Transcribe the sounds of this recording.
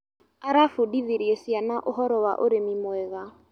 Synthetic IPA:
aɾafodiðiɾjesjanaʔoɦɔɾɔwa̰ʔoɾemimwɛɣa

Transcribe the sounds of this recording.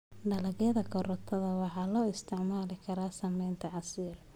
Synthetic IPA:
ɖɐlɐɣjɐðɐkʰɔɾɔt̪ʰɐðɐwɑħɑːlɔːɪst̪ʰɪʕmaːlɪkʰɐɾaːsɐmɛjnt̪ʰɐʕɑsiːr

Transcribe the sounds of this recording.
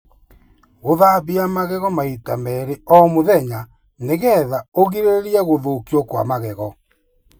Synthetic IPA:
ɣoðaβiamaɣɛɣɔmaitamɛɾeɔmoðɛɲa | neɣɛðaoɣiɾeɾeɾjaɣoðokiɔkwa̰maɣɛɣɔ

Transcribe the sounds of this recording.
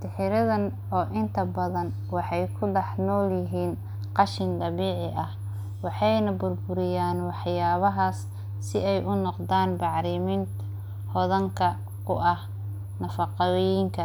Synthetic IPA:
d̪ɪħɪɾɐðɐn | ɔːʔɪnt̪ʰɐbɐðɐn | wɑħɑjkʰʊɖɑħnɔːljɪɦiːn | qɑʃɪnd̪ɐβiːʕɪʔɐh | wɑħɑjnɐbʊrbʊɾɪjaːnwɑħjaːβɐɦaːs | sɪɛjʔʊnɔqd̪aːnbɑʕɾɪmɪnt̪ | hɔðɐŋkʰɐ | kʰʊ̰ʔɐh | nɐfɑqɑjɪŋkʰɐ

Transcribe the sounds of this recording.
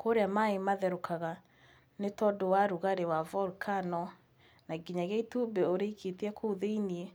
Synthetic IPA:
koɾeamaemaðɛɾokʰaɣa | netɔdowaɾuɣaɾewavɔlkʰanɔ | naɡiɲaɣeitubeoɾeikʰetiɛkʰouðeinie

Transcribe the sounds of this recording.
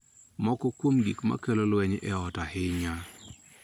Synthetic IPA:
mɔkɔkwomɡikma̰kelolwɛɲɛɔtahɪɲa

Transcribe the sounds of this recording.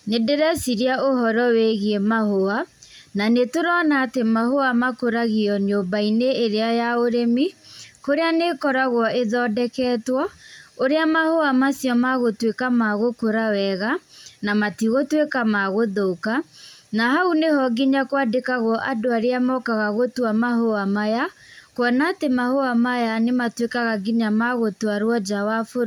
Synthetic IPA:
nedeɾasiɾiaohɔɾɔweɣiemahoa | nanetoɾɔnaːtemahoamakoɾaɣiɔɲombaineːɾeajaoɾemikoɾeanekɔɾaɣwɔʔeðɔdɛkɛːtwɔoɾeamahoamasjɔmaɣotwekamaɣokoɾawɛɣanamatiɣotwekamaɣoðokanahaunehɔɡiɲakwadekaɣɔʔadoaɾeamɔkaɣaɣotwamaɦoamajakwɔnatemahoamajanematwekaɣaɡiɲamaɣotwaɾwɔd͡ʒawafoɾ

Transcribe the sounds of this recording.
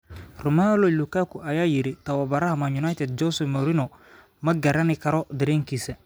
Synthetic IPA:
ɾomalolukakuʔajaːjiɾetawabaɾahamaɲunajtɛd̚d͡ʒɔsomoɾinɔ | maɡaɾanikaɾɔdiɾĩŋkisɛ

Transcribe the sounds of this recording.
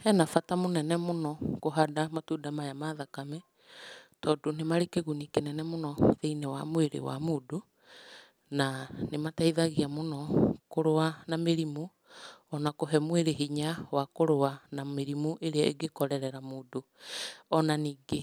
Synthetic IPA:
ɛnafatamonɛnɛmonɔkoɦadamatuːdamajamaðakamɛ | tɔːdonemaɾekeɣunikenɛnɛmonɔðeinewa̰mweɾḛwa̰moːdo | nanemataiðaɣiamonɔkoɾoanameɾimu | ɔnakoɦɛmweɾeɦiɲawakoɾowanameɾimuʔeɾeaḛɡekɔɾɛɾɛɾamoːdoɔnaniːɡe

